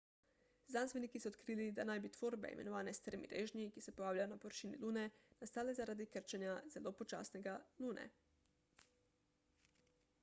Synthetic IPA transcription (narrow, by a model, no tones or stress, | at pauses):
zansʋenikisoot̪kɾiːlid̪anajbit̪ʋoːɾbɛ̰ḭmenoʋaːnɛst̪ɾmḭɾʔeːʒnikisɛpojaːwlajonapoʋɾʃiːnḭluːnɛnast̪aːlezaɾad̪ikəɾt͡ʃɛnjazelopot͡ʃa̰ːsnɛɡaluːnʔɛ̰